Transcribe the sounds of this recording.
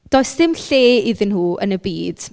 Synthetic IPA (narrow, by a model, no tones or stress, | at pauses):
d̥oːɨsdɪmɬeːiðɪnhuːə̰nəbiːd̥